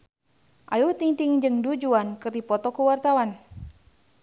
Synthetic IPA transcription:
ʔajuht̪iŋt̪iŋd͡ʒɨŋdud͡ʒuankɨrdipɔt̪ɔkuwart̪awan

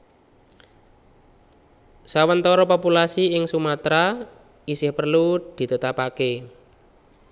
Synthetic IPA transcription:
sawənt̪ɔɾɔpɔpulasiɪŋsumat̪ɾa | isɪhpərlud̪̥i̤t̪ət̪apake

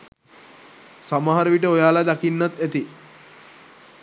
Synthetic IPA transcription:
samaɦaɾəʋiʈ̬əojaːlad̪akinːat̪æt̪i

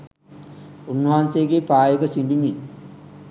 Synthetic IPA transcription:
unːɐɦanseɡepaːjəɡɐsiɳɖimi

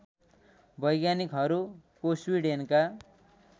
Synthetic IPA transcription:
bʌjɡjanikɦʌɾukoswiɖenka

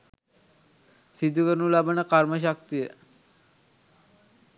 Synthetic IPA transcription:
sid̪ukəɾnulabanəkaɾməʃ̬ak̚t̪ijə

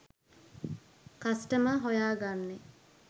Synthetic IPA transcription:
kasʈəməɦojaːɡanːe

